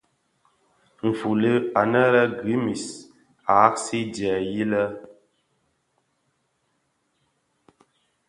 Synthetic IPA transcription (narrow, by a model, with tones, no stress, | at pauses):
ɱ̩˨fu˨lə˦a˨nə˦ɾə˦ɡi˨˦mi˨s | a˨˦ksi˦djɛ˨ji˦lə˦